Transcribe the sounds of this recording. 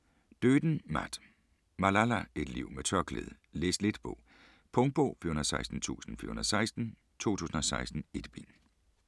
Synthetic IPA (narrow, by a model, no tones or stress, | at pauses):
d̥øːd̥n̩mæd̥ | mælælæe̝d̥lḭʊ̰met͡sʰɶɐkʰlḛðˠə | leːsle̝d̥b̥ʰɔ̽ | pʰɔ̽ŋ̚b̥ɔ̰ːfiɐhunɐðˠsɑ̈ɪsd̥n̩t͡sʰṵːsn̩fyɐhunɐðˠsɑ̈ɪsd̥n̩ | t͡sʰo̝̰ːt͡sʰṵːsn̩ɒ̽sɑ̈ɪsd̥n̩e̝d̥b̥ḭn